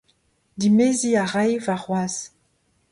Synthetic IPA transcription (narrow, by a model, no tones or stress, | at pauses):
dimeziaʁajvaʁwaz